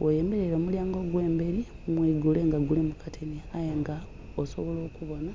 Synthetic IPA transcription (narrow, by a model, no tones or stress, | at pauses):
wʔoje̞ːmbe̞ɾeɾo̞muljaːŋɡo̞ɡwe̞ːmbeɾi | mwiːɡuleŋɡaɡulimukatʰeniajeŋɡa | osoβo̞lo̞ːkuβo̞na